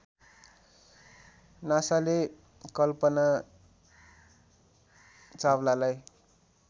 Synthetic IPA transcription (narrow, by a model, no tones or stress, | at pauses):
nasale | kʌlpʌna | t͡sawlalaj